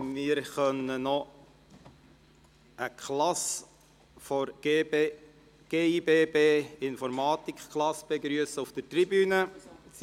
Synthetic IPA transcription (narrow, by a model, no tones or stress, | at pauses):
mɪəɾχœnənɔ | əkχlɑs | fɔɾ̥ | ɡ̥eːibeːbeːɪnfɔɾmɑːt̪ikχklɑsb̥eɡɾyəsəuft̪ətribyːnət͡s